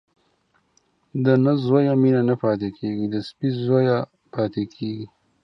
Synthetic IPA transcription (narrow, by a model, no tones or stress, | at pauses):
d̪ənəzojaminanapɑːt̪ekʰeɡid̪əspizoja | pʰɑːt̪ekʰeɡi